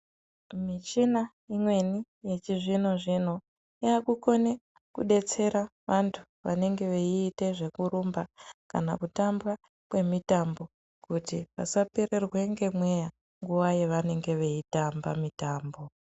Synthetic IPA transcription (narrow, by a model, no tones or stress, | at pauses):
mit͡ʃina | imwe̞ni | je̞t͡ʃiʐino̞ʐin̤o̞ | jakuko̞ne | kṵɗe̞t͡se̞ɾaʋantʰu̥ | ʋa̰ne̞ŋɡe̞ʋeiːte̞ʐe̞kuɾumbaka̰na̰kutamba | kwe̞mitambo̞ | kutipa̰sapere̞rwe̞ŋɡe̞mwe̞ja | ŋɡuwajeʋane̞ŋɡe̞ʋe̞itambamitaːmbo̞